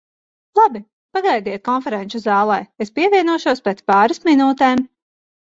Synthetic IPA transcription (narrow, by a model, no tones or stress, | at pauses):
lˠabi | paɡajd̪iɛt̪̚kɔnfɛɾɛnt͡ʃuzaːlˠɛjespiɛvʲiɛnuɔʃuɔspɛt̪spaːɾasminuːt̪ɛːm